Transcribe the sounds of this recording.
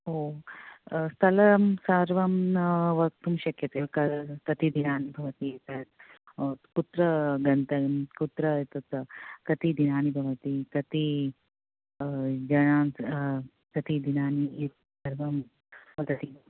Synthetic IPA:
oː | st̪ʰɐlɐmsɐɾʋɐmnɐʋɐk̚t̪umʃɐkjɐt̪ekɐt̪ɐt̪id̪inaːnibʱɐʋɐt̪it̪ɐ | kut̪ɾɐɡɐnt̪ɐkut̪ɾɐt̪ɐt̪k̪ɐt̪id̪inaːnibʱɐʋɐt̪it̪ɐt̪i | d͡ʒɐnaːn | t̪ɐt̪id̪inaːni | sɐɾʋɐm | ɐd̪ɐt̪i

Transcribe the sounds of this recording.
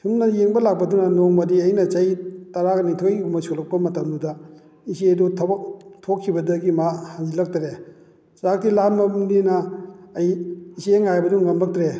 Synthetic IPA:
tʰumnɐjeŋbɐlak̚pɐdunɐnoŋmɐdiɐjnɐt͡ʃɐjtaɾaknitʰojiɡumɐsulɐk̚pɐmɐtɐmdudɐ | isedutʰbtʰokʰːibɐdɐɡimahaŋzilɐk̚taɾe | sak̚tilanmɐbmdinɐːjiseŋajbɐduŋɡɐmlɐk̚tɾe

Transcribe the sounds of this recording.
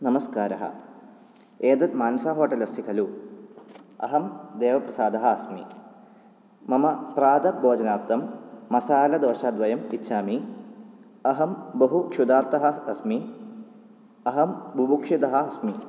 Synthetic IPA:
nɐmɐskaːɾɐɦɐ̰ | eːd̪ɐt̪maːnɐsaːɦoːʈɐlɐsikʰɐlu | ɐ̰ɦɐmd̪eːʋɐpɾɐsaːd̪ɐɦɐɐsmḭ | mɐmɐpɾaːd̪ɐbʱoːd͡ʒɐnaːt̪ːɐmːɐsaːlɐd̪oːʃaːd̪ʋɐjɐmitːʃʰaːmi | ɐɦɐmbɐɦukʃud̪aːɾt̪ɐɦɐɐsmi | ɐɦɐmbʱubukʂit̪ɐɦɐɐsmi

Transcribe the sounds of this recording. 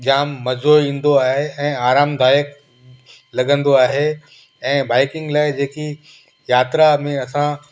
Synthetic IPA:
ʄaːmːɐzoːĩːnd̪oaːɦeɛ̃ːaːɾaːmd̪aːjək | lɐɠə̃nd̪oaːɦe | ɛ̃ːbaːɪkɪ̃ŋɡlaːɪd͡ʑeːki | jaːt̪ɾamẽɐsã

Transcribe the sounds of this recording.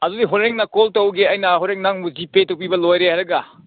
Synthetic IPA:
ɐdudiɦoɾeŋnakoltɐwɡeɐjnɐɦoɾeŋnaŋmuzipetɐwpibɐlojɾehaɾɐɡa

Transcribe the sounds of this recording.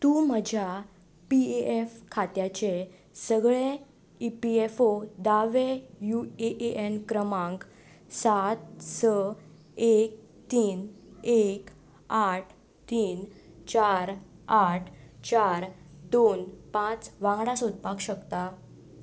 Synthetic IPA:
t̪uməd͡ʑʱja | pieefkʰat̪jat͡ɕe | səɡɭe | ipiefod̪aʋejueʔeʔenkɾəmãŋk | sat̪sə | ek̚ | t̪iːn | ek | aʈʰ | t̪iːn | t͡ɕaɾaʈʰt͡ɕaɾd̪onpãt͡sʋãŋɡɽãsod̪̚pakɕəkt̪a

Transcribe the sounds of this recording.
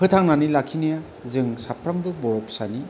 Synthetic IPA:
hɯtʰaŋnanilakʰinija | zɯŋsapʰɾambɯbɔɾɔpsani

